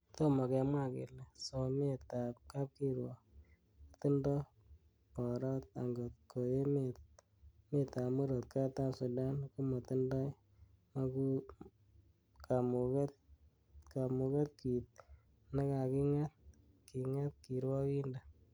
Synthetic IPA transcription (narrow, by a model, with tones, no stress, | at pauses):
to˦mɔ˨kɛ˧mwa˦˨kḛ˨lɛ˨so˨me˦t̪a˨p̚ka˦p̚ki˦ɾwɔ˨ | a˨t̪u˦ndɔ˦ | pɔ˨ɾa˦t̪̚a˨ŋɡo˨t̚ko˨je˦me˨t̪̚ | me˦t̪a˨mu˦ɾo˨t̪̚kʰa˦t̪a˦su˨da˦nku˦ma˨t̪ɨ˦ndɔ˦j | ma˦ku | kʰa˨mu˨ke˦t̪̚ | ka˨mu˨kɛ˦t̪̚ki˨t̪̚ | na˦ka˨ki˦ŋa˦t̪̚ | ki˨ŋa˦t̪̚ki˨ɾwɔ˦ki˦nda˨